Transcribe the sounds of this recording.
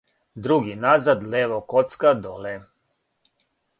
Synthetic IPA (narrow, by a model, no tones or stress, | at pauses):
d̪ɾuɡinazad̪leʋokot̪skad̪ole